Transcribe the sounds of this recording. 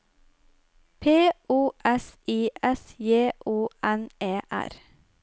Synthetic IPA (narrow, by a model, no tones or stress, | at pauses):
pʰeːʔuːʔɛsiːʔɛsjeːʔuːʔɛneːʔæ̰ɾ